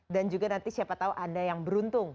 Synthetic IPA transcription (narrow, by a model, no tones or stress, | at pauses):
dand͡ʒuɡanant̪isiapat̪auʔandajaŋbəɾunt̪ʊŋ